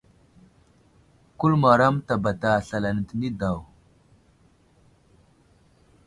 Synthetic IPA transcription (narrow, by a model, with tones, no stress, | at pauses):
ku˦lma˨ɾa˦mta˨ba˨ta˨ɬa˨la˨n˨tni˦da˨w